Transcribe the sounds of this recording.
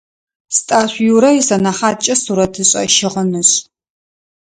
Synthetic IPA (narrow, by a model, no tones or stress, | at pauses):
stʼaːɕʷjuɾɐjɪsɐnɐχaːt͡ʃʼɐsuɾɐtʰɨɕʼɐ̰ʃɪʁənɨɕ